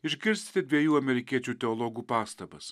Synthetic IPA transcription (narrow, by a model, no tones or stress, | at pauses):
ɪʒʲɡʲɪɾʲsʲt̪ʲɪ̥t̪ʲɪd̪ʲʋʲiɛjuːɐmʲɛɾʲɪkʲiɛt͡ʃʲuːt̪ʲɛɔlˠɔɡuːpɑːst̪ɐbɐs